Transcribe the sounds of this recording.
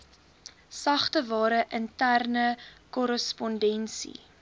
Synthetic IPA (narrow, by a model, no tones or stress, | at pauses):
sɐχtəvɑːɾəʔəntærnəkɔɾəspɔndɛnsḭ